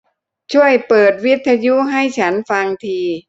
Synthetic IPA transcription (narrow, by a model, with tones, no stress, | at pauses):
t͡ɕʰu˥˩əjpɤː˨˩t̪̚wi˦˥t̪ʰːa˧ju˦˥ɦa˥˩jt͡ɕʰa˦˥nfa˧ŋt̪ʰiː˧